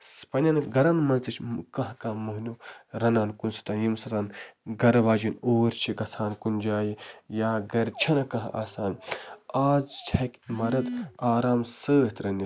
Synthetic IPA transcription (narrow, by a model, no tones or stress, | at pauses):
spɐnʲɐnɡɐɾanmɐnt͡sɐt͡ʃʰʲkɐ̃ɦkãːmuɦnʲuɾɐnaːnkunsɐ̥t̪ɐnjimsɐt̪anɡɐɾʋaːd͡ʒinoːɾt͡ʃʰiɡɐt͡sʰaːnkund͡ʒaːjijaːɡɐɾt͡ʃʰɐnɐkɐ̃ɦʔa̰ːsaːnaːzt͡ʃʰɐkʲmɐɾɐt̪aːɾaːmsəːɦt̪ɾɐni